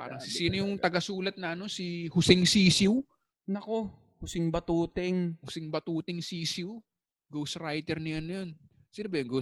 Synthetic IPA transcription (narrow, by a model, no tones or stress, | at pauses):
pa̰ːɾɐŋsɪsiːnojʊŋt̪ɐɡɐsuːlɐt̪̚nɐɐno̞sihʊsɪŋsiːsɪw | nɐko̞ | hʊsɪŋbɐt̪uːt̪ɛŋhʊsɪŋbɐt̪uːt̪ɪŋsiːsɪw | ɡowsɾajt̪ɛɾnɐjanːjon | sɪnɐbɛjŋɡow